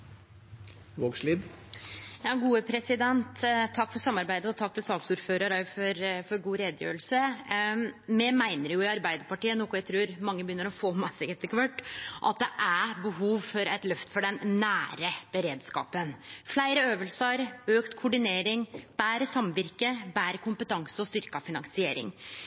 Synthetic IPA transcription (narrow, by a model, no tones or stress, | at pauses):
ʋoːɡʂliːd̪ | jɑːɡuːəpʰɾɛsɪd̪ɛnt̪t̪ʰːɑkːfɔɾsɑmːɑɾbæɪd̪əɔt̪ʰɑk̚ːt̪ɪlsɑːksʊɾføːɾəɾɑfɔɾfɔɾɡuːɾeːd̪jø̰ːɾəlsə | mɛmæɪnəɾjʊɪɑɾbæɪd̪əɾpɑʈiːənɔkʊæɪt̪ʰɾʉːɾmɑŋːəbəjʏnːəɾɔfoːmɑsɪɡɛt̪ɪkʋøʈːʔɑ̰t̪̚d̪ɛʔæbəɦuːʋfɔɾɛt̪lœft̪ə̥fɔɖɛnːæːɾəb̥əɾeːd̪skɑ̰ːpənflæɪɾəøːʋəlsəɾøːkt̪kʰʊɖɪneːɾɪŋb̥æːɾəsɑmʋɪɾkəbæːɾəkʰʊmpət̪ʰɑŋsəɔst̪ʏɾkɑfɪnɑŋsɪeːɾɪ̰ŋ